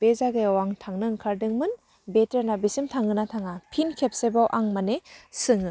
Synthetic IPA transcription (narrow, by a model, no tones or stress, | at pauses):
b̥ezaɡejawaŋtʰaŋnɯŋkʰaɾdɯŋmɯn | beteɾnabisimtʰaŋɯnatʰaŋapʰinkʰep̚sebawʔaŋmanesɯŋɯ